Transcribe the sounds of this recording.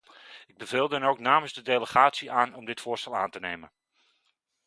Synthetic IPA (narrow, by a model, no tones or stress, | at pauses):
ɪɡ̚bəvɪːlˠdənowknaːməzdədejləχaːtsiaːnɔmdɪtfʊərstɛlˠa̰ːntənejmən